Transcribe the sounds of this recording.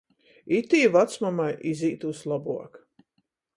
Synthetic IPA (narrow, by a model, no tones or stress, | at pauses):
it̪iːvat̪smamajiziːt̪uslˠabuɔk